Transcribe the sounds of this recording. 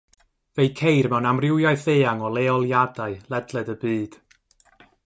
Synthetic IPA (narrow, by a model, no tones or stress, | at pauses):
vejkʰejrmɛwnamrɪwjaɨθeːaŋɔlˠeːɔlˠjadaɨlˠɛdlˠɨdəbɨːd̥